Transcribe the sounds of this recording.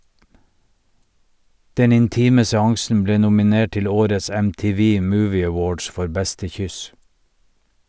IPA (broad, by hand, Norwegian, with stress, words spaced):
ˈdɛn ɪnˈtiːmə sɛˈɑŋsn̩ ˈbleː nʊmɪˈneːʈ ˈtɪl ˈoːɾəs ɛmtɪˈʋiː ˈmuːʋɪ əˈwoːɖs ˈfɔɾ ˈbɛstə ˈçʏs